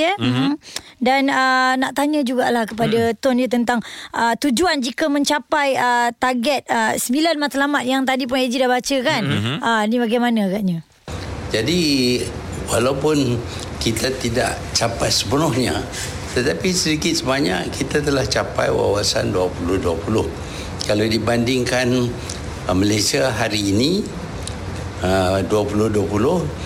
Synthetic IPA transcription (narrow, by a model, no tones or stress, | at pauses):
ə | danənaʔt̪aɲə̃d͡ʒuɡaʔlahkəp̬adat̪ɔnjət̪ənt̪aŋʔət̪ud͡ʒuand͡ʒikəmə̃ɲt͡ʃapajət̪aɡɛt̪̚əsəmilanmat̪alamat̪̚jaŋt̪adip̬ʊned͡ʒidahbat͡ʃəkanʔənibaɡajmanaaɡaʔɲa | d͡ʒadi | walawpʊn | kit̪at̪ida̰ʔ | t͡ʃapajsə̥pənʊhɲa | t̪ət̪apisədikɪt̪̚səbaɲa̰ʔkit̪at̪əlaht͡ʃapa̰jwa̰wasa̰nduapulʊhduapulʊh | kaladibandɪŋkan | məlajsiaɦaɾiːni | əduapulʊhduapulʊh